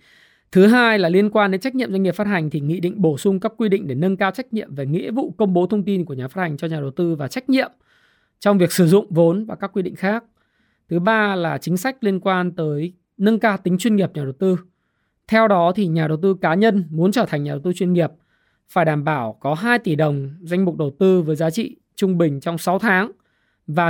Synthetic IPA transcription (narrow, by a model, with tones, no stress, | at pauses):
t̪ʰɨ˨˦ɦaː˧jlaː˨˩li˧ənkwaː˧nɗe˨˦nt͡ɕa˦˥k̚ɲi˧˨mza˧ŋ˨˩faː˦˥t̚ha˨˩jŋ̟t̪ʰi˨˩ŋḭ˧˨ɗḭ̈˧˨ŋ̟ɓo˧˩sʊ˧ŋ͡mkaː˦˥kːwi˧ɗḭ̈˧˨ŋ̟ɗe˧˩nə˧nkaː˧wt͡ɕa˦˥k̟̚ɲḭ˧˨əmve˨˩ŋḭ˧˥vṵ˧˨kə˧wŋ͡mɓo˨˦t̪ʰə˧wŋ͡mt̪i˧nku˧˩əɲaː˨˩fa˦˥ha˨˩ŋ̟t͡ɕɔ˧ɲaː˨˩ɗə˨˩wt̪ɨ˧vaː˨˩t͡ɕa˦˥jk̟̚ɲḭ˧˨əm | t͡ɕɔ˧wŋ͡mvi˨˩ək̚sɨ˧˩zʊ̰˧˨ŋ͡mvo˨˦nvaː˨˩kaː˦˥kːwi˧ɗḭ̈˧˨ŋ̟xaː˦˥k̚ | t̪ʰɨ˨˦ɓaː˧laː˨˩t͡ɕï˨˦ŋ̟sa˦˥jk̟̚li˧ənkwaː˧nt̪əː˨˦j | nə˧nkaː˧wt̪ï˨˦ŋ̟t͡ɕwi˧ənŋi˨˩əp̚ɲaː˨˩ɗə˨˩wt̪ɨ˧ | t̪ʰɛ˧wɗɔ˨˦t̪ʰi˨˩ɲaː˨˩ɗə˨˩wt̪ɨ˧kaː˨˦ɲə˧nmu˨˦nt͡ɕəː˧˩t̪ʰa˨˩jŋ̟ɲaː˨˩ɗwt̪ɨ˧t͡ɕwi˧nŋi˨˩əp̚ | faː˧˩jɗaː˧˩mɓaː˧˩wkɔ˨˦ɦaː˧jt̪i˧˩ɗə˨˩wŋ͡mza˧jŋ̟mʊ˨˩k͡p̚ɗə˨˩wt̪ɨ˧vəː˨˦jzaː˨˦t͡ɕḭ˧˨ | t͡ɕʊ˧ŋ͡mɓï˨˩ŋ̟t͡ɕɔ˧wŋ͡msa˨˦wt̪ʰaː˨˦ŋ | vaː˨˩